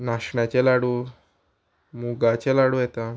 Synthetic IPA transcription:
naɕɳjat͡ɕelaɽu | muɡat͡ɕelaɽujɛt̪a

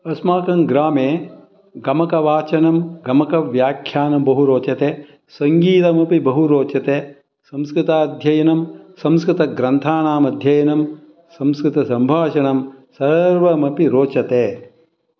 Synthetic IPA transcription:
ɐsmaːkɐŋɡɾaːmeː | ɡɐmɐkɐʋaːt͡ʃɐnɐmɡɐmɐkɐʋjaːkʰːjaːnɐbɐɦuɾoːt͡ʃɐt̪eː | sɐŋɡiːt̪ɐmɐpibɐɦuɾoːt͡ʃɐt̪eː | sɐmskɾɪt̪aːd̪ʱjɐjɐnɐmsɐmskɾɪt̪ɐɡɾɐnt̪ʰaːɳaːmɐd̪ʱjɐjɐnɐm | sɐmskɾɪt̪ɐsɐmbʱaːʃɐɳɐmsɐɾʋɐmɐpiɾoːt͡ʃɐt̪eː

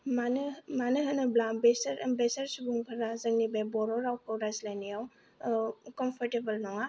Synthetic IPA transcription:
manmanɯɦɯnɯblambesɐɾɐmbesɐɾsubuŋpʰaɾazɐŋnibajbɔɾɔɾawkʰawɾazlajnijaw | kɔmpʰɔɾtebɐlnɔŋa

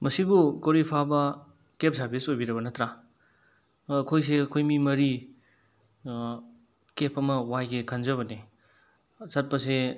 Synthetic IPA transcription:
mɐsibukowɾipʰabɐ | kep̚saɾbʰisojbiɾɐbɐnɐtɾa | kʰojs̬eɐkʰojmimɐɾi | kepʰɐmɐwajɡekʰɐnzɐβɐne | sɐt̚pɐse

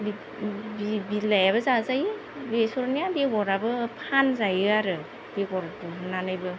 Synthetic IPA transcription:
b | bibilajaβɯzazaj | besɔɾnijabeɡɔɾabɯpʰanzajɯaɾɯ | b̥eɡɔɾtunanɯjbɯ

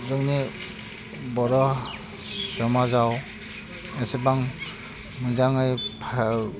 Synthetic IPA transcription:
zɔŋni | bɔɾɔ | sɔmazaw | esebaŋ | mɯzaŋɯjpʰ

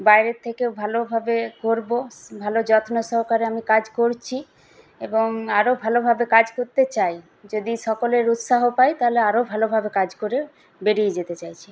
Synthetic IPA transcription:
bajɾet̪ʰːekewbʱalobʱabekoɾbobʱalod͡ʑɔt̪ʰnoʃɔɾkaɾeamikad͡ʑkoɾt͡ɕʰi | eboŋaɾobʱalobʱabekad͡ʑkoɾt̪et͡ɕaj | d͡ʑod̪iʃɔkoleɾut̪saɦopajt̪aɦoleaɾobʱalobʱabekad͡ʑkoɾe | beɽied͡ʑet̪et͡ɕajt͡ɕʰi̥

